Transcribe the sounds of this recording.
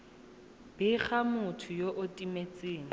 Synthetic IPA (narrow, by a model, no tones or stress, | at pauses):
b̥ɪχamʊtʰʊjoʔʊtʼimet͡sʼiːŋi